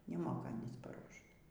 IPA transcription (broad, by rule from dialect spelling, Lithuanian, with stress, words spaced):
nʲɛˈmoːkɐ ˈɑːnʲiːs pɐˈruɔʃt